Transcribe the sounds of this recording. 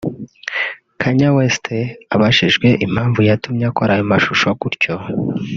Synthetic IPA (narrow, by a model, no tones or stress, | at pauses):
kʰaɲawestʰeaβaʃiʒɡwe̞ʔim̥haːɱvujatumɲakoɾajomaʃuʃokuɾco̞